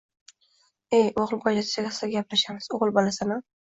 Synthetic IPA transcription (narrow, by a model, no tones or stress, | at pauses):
ejʔoʁɨlˠbɒjlat̪ʰt͡ʃaɡʲasaɡʲaplaʃamɪz̥oʁɨlˠbɒlasanɪ